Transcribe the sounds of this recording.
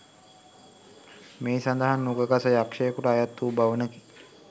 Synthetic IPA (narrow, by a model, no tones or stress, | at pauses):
meːsand̪əɦanːuɡəɡasəjakʂəjəkuʈəajat̪ːuːbaʋənəki